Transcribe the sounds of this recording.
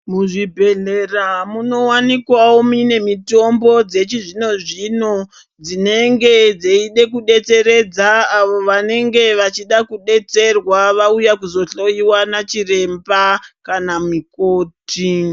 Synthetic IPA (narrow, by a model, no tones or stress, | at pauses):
muʐibʱe̞ɮe̞ramuno̞wanikwawomine̞mito̞mbo̞d͡ze̞t͡ʃiʐino̞ʐino̞ | d͡zine̞ŋɡe̞d͡zeiɗe̞kuɗe̞t͡se̞ɾe̞d͡zaːʋo̞ʋane̞ŋɡe̞ʋat͡ʃiɗakuɗe̞t͡se̞rwaʋaujakuzo̞ɬo̞jiwanat͡ʃire̞mbakanamikoːti